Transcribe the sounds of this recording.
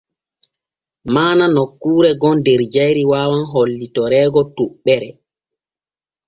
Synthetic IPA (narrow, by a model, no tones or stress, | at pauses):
maːnanɔkːuːɾɛɡɔndɛɾd͡ʒajɾiwaːwanɦolːitɔɾɛːɡɔtuɓːɛɾɛ